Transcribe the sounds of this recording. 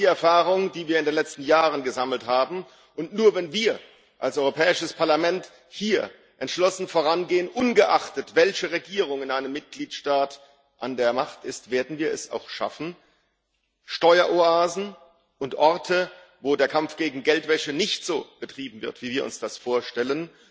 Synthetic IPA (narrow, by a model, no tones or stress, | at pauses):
diːɛɐfaːʁ̞ʊŋd̥iːviːɐɪndeːnlɛt͡stn̩jaːʁənɡəzaml̩thaːbm̩ | ʔʊntnuːɐvɛnviːɐ | ʔalsʔɔʏʁopʰɛːɪʃəspʰaɐlamɛnt | hiːɐ | ʔɛntʃlɔsn̩foːʁanɡeːənʔʊnɡəʔaχtətv̥ɛlçəʁeɡiːʁ̞ʊŋɪnʔaɪnəmːɪt̚ɡ̥liːtʃtaːt | ʔandeːɐmaχtɪstv̥eːɐdn̩viːɐɛsa̰ʊxʃa̰fn̩ | ʃtɔʏɐʔoaːzn̩ | ʔʊntʔɔʁtʰə | voːdeːɐkʰamfɡ̥eːɡŋ̩ɡɛltv̥ɛçənɪçtz̥oːb̥ətʁ̥iːbm̩vɪɐtv̥iːviːɐʊ̰nsd̥asfoːɐʃtɛlən